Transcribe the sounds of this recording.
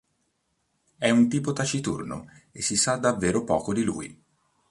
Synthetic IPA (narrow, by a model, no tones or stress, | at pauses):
ɛunt̪iːpot̪at͡ʃit̪ṵrno̰esːisad̪ːavːeːɾopɔːkod̪ilṵːj